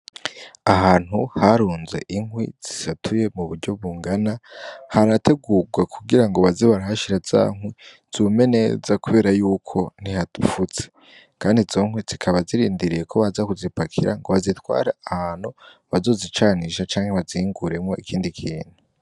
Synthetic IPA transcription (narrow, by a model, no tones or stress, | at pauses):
aɦaːn̥huhaɾuːnze̞̰ʔiŋwḭz̥isatʰuje̞muβuɾɟo̞βuːŋɡanahaɾate̞ɡuɡwakʰuɡiɾaŋɡo̞βaziβaɾaɦaʃiɾaz̥a̰ːŋwi | z̥ume̞ne̞zakuβe̞ːɾajuːkʰo̞n̥ihadufut͡se̥ | kaːndizo̞ŋwiz̥ikʰaβaziɾiːndiɾijekʰo̞βazakuzipakʰiɾa̰ŋɡo̞βazitwa̰ːɾaahaːn̥hu | βazo̞ːzit͡ʃaːniʃat͡ʃaːŋheβaziŋɡuɾe̞mŋo̞ʔikʰiːndikʰiːn̥hu